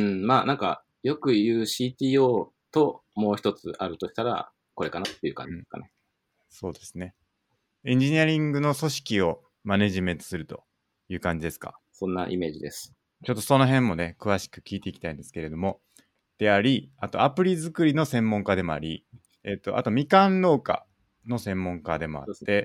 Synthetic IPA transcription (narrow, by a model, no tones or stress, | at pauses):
ɯ̟̃ɴmaːnãŋka̰ | jo̞kɯ̟jɯ̟ːɕiːt̪ʲiːoː | t̪o̞mo̞ːçi̥t̪o̞t͡sɨʔaɾɯ̟t̪oɕi̥t̪aɾa̰ | ko̞ɾe̞kanat̪ːe̞iɯ̟ːkã̰ɲd͡ʑi̥ska̰ne | so̞ːd̪e̞sɨne̞ | ẽ̞ɲ̟d͡ʑiɲ̟iaɾʲĩŋɡɯ̟no̞so̞ɕi̥kʲio̞ | mane̞ʑimẽ̞nt̪o̞̥sɨɾɯ̟t̪o̞̥̰ | jɯ̟ːkãɲ̟d͡ʑid̪e̞sɨ̥ka̰ | sõ̞nːaʔime̞ːʑid̪esɨ̥ | t͡ɕo̞t̪ːo̞so̞no̞ɦẽ̞mːo̞ne̞kɯ̟β̞aɕi̥kɯ̟̥kʲiːt̪e̞ikʲi̥aĩnd̪esɨ̥ke̞ɾe̞d̪o̞mo̞ | d̪̥e̞aɾʲiat̪o̞̰apɯ̟ɾʲizɨkɯ̟ɾʲino̞sẽ̞mːõ̞ŋkad̪e̞mo̞a̰ɾʲi | et̪ːo̞ʔa̰t̪o̞mʲikãnːo̞ːka̰ | no̞sẽ̞mːõ̞ŋkad̪e̞mo̞̰a̰t̪ːe̞